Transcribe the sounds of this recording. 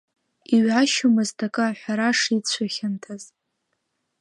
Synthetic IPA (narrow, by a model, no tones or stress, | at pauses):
iɥʕaʃumɨztʰakʼaħʷᶣaɾaʂit͡ɕʷʰaχʲantʰaz